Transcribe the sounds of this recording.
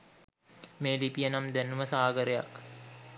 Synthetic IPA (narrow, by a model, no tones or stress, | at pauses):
meːlipijənamd̪ænuməsaːɡəɾeja̰k